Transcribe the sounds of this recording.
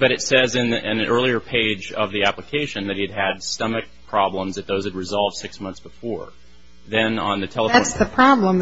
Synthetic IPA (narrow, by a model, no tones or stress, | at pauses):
b̥ʌɾɨtsɛzɨ̃nɪ̃nɨ̃nʔɜ˞lˠiə˞pʰeɪd͡ʒʌ̰vðiæpləkʰeɪʃɨ̃nðɨt̚hiɨd̚ɨdstʌmɨk̚pʰɹ̥ɑblə̃mzðɨt̪̚ðoʊz̥ɨd̚ɹɨzɑlˠvd̥sɪksmʌ̃nθsb̥əfɔɹ | ðɨ̃nə̰̃nðɨtʰɛlˠəftsðɨpʰɹ̥ɑblə̃m